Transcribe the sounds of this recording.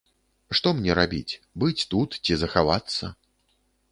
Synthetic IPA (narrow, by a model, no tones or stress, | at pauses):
ʂt̪ɔmnʲɛɾabʲḭt͡sʲbɨt͡sʲt̪ut̪t͡sʲizɐxavat̪sːɐ